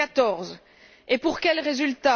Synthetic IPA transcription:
at̪ɔʁz | epuʁkʲɛlʁezylt̪a

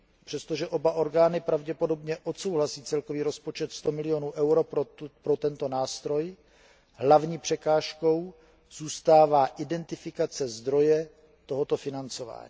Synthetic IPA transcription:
pr̥ɛst̪o̞ʒɛʔo̞baʔo̞ɾɡaːnɪpɾavɟɛpo̞do̞bɲɛʔo̞t̪so̞wɦlasiːt͡sɛlko̞viːɾo̞spo̞t͡ʃɛt̪st̪o̞mɪlɪjo̞nuːʔɛwɾoppɾot̪ɛnt̪o̞naːst̪ɾo̞j | ɦlavɲiːpr̝̥ɛkaːʃko̞w | z̥uːst̪aːvaːʔɪdɛnt̪ɪfɪkat͡sɛzd̪ɾo̞jɛ | t̪o̞ɦot̪o̞fɪnant͡so̞va̰ːɲḭː

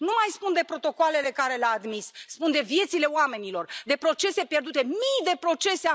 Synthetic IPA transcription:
numajspund̪e̞pɾo̞t̪o̞koale̞le̞kaɾe̞leaːd̪misːpund̪e̞vje̞t̪sile̞oame̞nilo̞rd̪e̞pɾo̞t͡ʃe̞se̞pje̞rd̪ut̪e̞mijd̪e̞pɾo̞t͡ʃe̞se

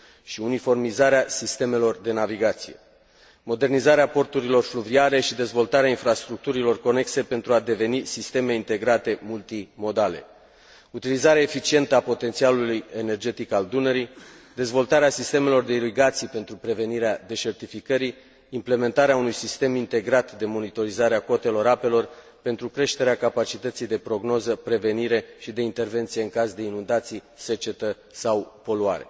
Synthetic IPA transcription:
ʃiunifo̞rmizaɾeasist̪e̞me̞lo̞rd̪e̞naviɡat̪sije̞ | mo̞d̪e̞rnizaɾeapo̞rt̪uɾilo̞rfluviaɾe̞ʃid̪e̞zvo̞lt̪aɾeainfɾast̪ɾuk̚t̪uɾilo̞rko̞ne̞kse̞pe̞nt̪ɾuad̪e̞ve̞nisist̪e̞me̞int̪e̞ɡɾat̪e̞mult̪imo̞d̪ale̞̰ | ut̪ilizaɾeaefit͡ʃie̞nt̪əapo̞t̪e̞nt̪sialuluje̞ne̞rd͡ʒe̞t̪ikald̪uneɾi | d̪e̞zvo̞lt̪aɾeasist̪e̞me̞lo̞rd̪e̞iɾiɡat̪sijpe̞nt̪ɾupɾe̞ve̞niɾead̪e̞t͡ʃe̞rt̪ifikəɾiː | mple̞me̞nt̪aɾeaunujsist̪e̞mint̪e̞ɡɾat̪d̪e̞mo̞nit̪o̞ɾizaɾeako̞t̪e̞lo̞ɾape̞lo̞r | pe̞nt̪ɾukɾe̞ʃt̪e̞ɾeakapat͡ʃit̪ət̪sijd̪e̞pɾo̞ɡno̞zəpɾe̞ve̞niɾe̞ʃid̪e̞int̪e̞rve̞nt̪sijeɨŋkazd̪e̞inund̪at̪sijse̞t͡ʃe̞t̪ə | sawpo̞luaɾe̞̰

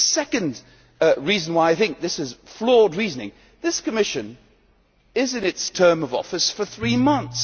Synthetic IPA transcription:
sɛkɨ̃nd | ɹizn̩waɪaɪθɪ̃ŋk̚ðɪsɨz̥flɔɹd̚ɹiznɪ̰̃ŋ | ðɪskəmɪʃɨ̃n | ɪzɨ̃nɨtstʰɜ̃˞mʌvɔ̰fɨsfə˞θɹimʌ̃nθs

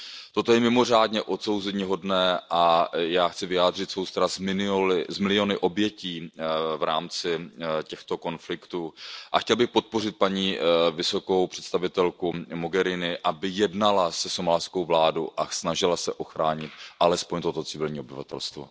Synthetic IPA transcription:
t̪o̞t̪ojɛmɪmo̞r̝aːdɲɛʔo̞t̪so̞wzɛɲiɦo̞dnɛːʔajaːxt͡sɪvɪjaːd̪r̝ɪt̪svowst̪aɾasmɪɪolɪzmɪlɪo̞nɪʔo̞bjɛciːvɾaːmt͡sɪcɛxt̪o̞ko̞nflɪkt̪uʔaxcɛlbɪxpo̞t̪̚po̞r̝ɪt̪̚paɲiːvɪso̞ko̞wpr̥ɛ̥t̪st̪avɪt̪ɛlkumoɡɛɾɪnɪʔabɪjɛdnalasɛsomalsko̞wvlaːdo̰wʔasnaʒɪlasɛʔo̞xɾaːɲɪt̪̚ʔalɛspoɲt̪o̞t̪ot͡sɪvɪlɲiːo̞bɪva̰t̪ɛ̰lst̪vo̰

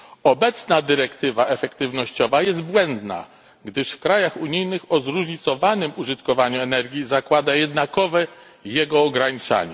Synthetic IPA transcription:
ɔbɛt̪snad̪ɘɾɛkt̪ɘvaʔɛfɛkt̪ɘvnɔɕt͡ɕɔvajɛst̪̚bwɛnd̪na̰ | ɡd̪ɘʂfkɾajaxuɲijnɘxɔzɾuʐɲit̪sɔvanɘmuʐɘt̪kɔvaɲuɛnɛɾɡʲjizakwad̪ajɛd̪nakɔvɛ | jɛɡɔːɡɾaɲit͡ʂa̰ɲɛ

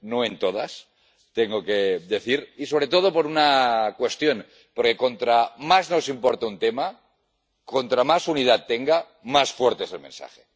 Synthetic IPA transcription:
noe̞nt̪oð̞as | t̪eŋɡokeðe̞θiɾiso̞β̞ɾe̞t̪o̞ð̞opo̞ɾunakwe̞st̪jo̞n | poɾke̞ko̞nt̪ɾamazno̞simpoɾt̪aunt̪ema | ko̞nt̪ɾamasunið̞at̪ːeŋɡa | masfweɾt̪eselmḛ̃nsa̰xe

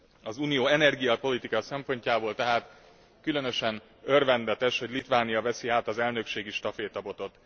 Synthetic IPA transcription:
ɒzuːnijoːɛnɛrɡijɒpo̞lit̪ikɒsɛmpo̞ɲcaːboːlt̪ɛɦaːt̪ | kylø̞nø̞ʃɛn | ø̞rvɛnd̪ɛt̪ɛʃho̞ɟʲlit̪ʋaːnijɒvɛsiaːt̪ɒzɛlnø̞kʃeːɡiʃt̪ɒfeːt̪ɒbo̞t̪o̞t̪

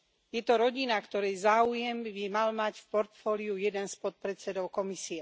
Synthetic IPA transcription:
jɛt̪ɔɾɔɟinakt̪ɔɾɛjzaːujɛmbimalmacfpɔɾt̪fɔːliujɛd̪ɛnspɔt̪̚pɾɛt͡sɛd̪ɔʊkɔmisiɛ

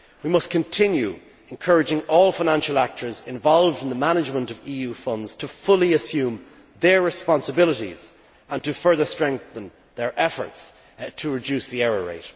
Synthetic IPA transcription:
wimʌskʰə̃ntʰɪ̃njʉ | ɛ̃nkʰɜ˞ɨd͡ʒɪ̃ŋɔːlˠfaɪnãnʃəlak̚tʰə˞zɪ̃ɱvɑlˠvdɪ̃nðəmañɪd͡ʒmə̃ntʌviːjʉːfʌ̃ndz̥tʰəfʊliəsjʉ̃ːm | ðə˞ɹɪspɑ̃nsəbɪləɾḭz̥ | ə̃ntɨfɜ˞ðə˞stɹ̥ɛ̃ŋk̚θə̃n | ðə˞ʔɛfə̰˞ts | tʰəɹɪd͡ʒʉsðiɛɹəɹḛɪt

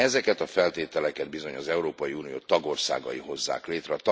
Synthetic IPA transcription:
ɛzɛkɛt̪ɒfɛlt̪eːt̪ɛlɛkɛd̪̚bizo̞ɲɒzɛuɾoːpɒjiuːnijo̰ːt̪ɒɡo̞rsa̰ːɡɒ̰jiɦo̞zːa̰ːkleːt̪rɛɒt̪

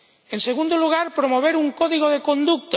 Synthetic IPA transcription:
enseɣ̞ũnd̪oluɣ̞aɾpɾomoβ̞eɾuŋkoðiɣoðekõ̞nd̪uk̚t̪

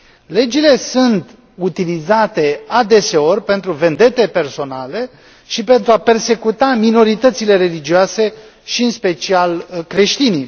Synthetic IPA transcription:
le̞d͡ʒile̞sunt̪ | ut̪ilizat̪e̞ad̪e̞se̞o̞rʲpe̞nt̪ɾuve̞nd̪e̞t̪epe̞rso̞nale̞ | ʃipe̞nt̪ɾuape̞rse̞kut̪amino̞ɾit̪ət̪sile̞ɾe̞lid͡ʒioase̞ | ʃiɨnspe̞t͡ʃialkɾe̞ʃt̪ini

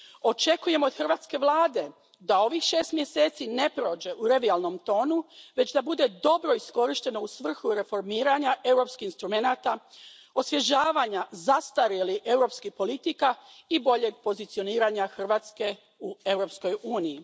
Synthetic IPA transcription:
o̞t͡ʃe̞kuje̞moːd̪xr̩ʋaːt̪ske̞ʋlˠaːd̪e̞ | d̪ao̞ʋixʃe̞ːst̪mje̞se̞ːt̪sine̞pɾo̞ːd͡ʑe̞ʔuɾeʋialˠno̞mt̪o̞ːnuʋe̞t͡ɕd̪abud̪e̞d̪o̞bɾo̞isko̞ɾiʃt̪e̞no̞usʋr̩xuɾe̞fo̞ɾmiːɾaɲaʔe̞wɾo̞pskixinst̪ɾume̞nat̪a | o̞sʋje̞ʒaːʋaɲazast̪aɾjelie̞wɾo̞pskixpo̞lit̪ikaibo̞ʎe̞ɡ̚po̞zit̪sio̞niːɾaɲaxr̩ʋaːt̪ske̞ | ue̞wɾo̞psko̞juːniji

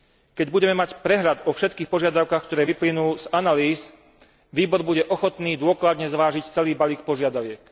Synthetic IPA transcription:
kɛɟbuɟɛmɛmacpɾɛɦʎad̪ɔfʃɛt̪kiːxpɔʒɪad̪aʊkaːxkt̪ɔɾɛːʋiplinuːz̥analiːs | ʋiːbɔɾbuɟɛʔɔxɔt̪niːd̪ʊɔklad̪ɲɛzʋaːʒict͡sɛliːbaliːkpɔʒɪad̪aʋɪɛk

